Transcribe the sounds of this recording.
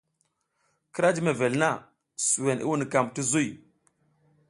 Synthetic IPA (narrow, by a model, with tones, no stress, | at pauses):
ki˦ɾa˦d͡ʒi˦me˨ve˨lna˦˨ | su˨we˨ni˦wu˦ni˨ka˨mti˦zu˦j